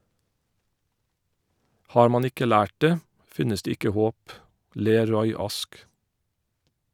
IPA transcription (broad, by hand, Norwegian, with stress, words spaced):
ˈhɑːɹ ˈmɑn ˈɪkə ˈlæːʈ ˈdeː ˈfɪnəs ˈdeː ˈɪkə ˈhoːp ˈleːɾ ˈɹɔʏ ˈɑsk